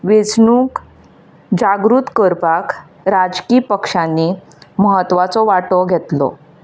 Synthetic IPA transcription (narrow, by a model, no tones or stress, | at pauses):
ʋet͡sɳuːk | d͡ʑaɡɾuːt̪kəɾpak | ɾad͡zkiːpəkʂãnːi | məɦət̪ʋat͡sɔʋaʈɔɡʱet̪lɔ̰